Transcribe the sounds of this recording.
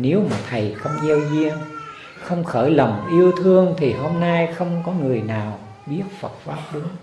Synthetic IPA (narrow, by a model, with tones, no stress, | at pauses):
ne˨˦wma˨˩t̪ʰə˨˩jxə˧wŋ͡mʔɛ˧wzi˧ən | xə˧wŋ͡mxəː˧˩jlə˨˩wŋ͡mʔi˧əwt̪ʰɨ˧əŋt̪ʰi˨˩ɦo˧mna˧jxə˧wŋ͡mkɔ˨˦ŋɨ˨˩əjnaː˨˩w | ɓi˦˥ət̚fə˨˩t̚faː˦˥p̚ɗɨ˨˦ŋ